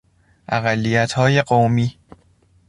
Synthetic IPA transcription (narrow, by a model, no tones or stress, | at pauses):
ʔæɣælːijæt̪ʰhɒːje̞ɢowmiː